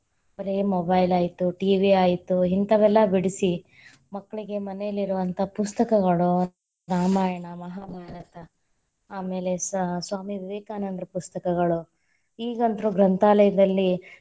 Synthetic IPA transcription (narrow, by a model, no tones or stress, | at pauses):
ɐɾemobɐjlaːjit̪uʈiːʋiaːjit̪uɦint̪ɐʋɛlːɐbiɽisi | mɐkːɐɭiɡe̞mɐnejɐlːiɾuʋɐnt̪ʰɐpust̪ɐkɐɡɐɭu | ɾaːmaːjɐɳɐmɐɦaːbʱaːɾɐt̪ɐ | aːme̞ːle̞ssʋaːmiʋiʋeːkaːnɐnd̪ɾɐpust̪ɐkɐɡɐɭu | iːɡɐnt̪ɐɾuːɡɾɐnt̪ʰaːlɐjɐd̪ɐlːi